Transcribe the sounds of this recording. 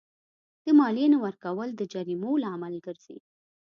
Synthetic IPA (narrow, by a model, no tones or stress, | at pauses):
d̪̥əmɑlenawəɾkawəld̪əd͡ʒaɾimolaamalɡəɾz̥ḛd̪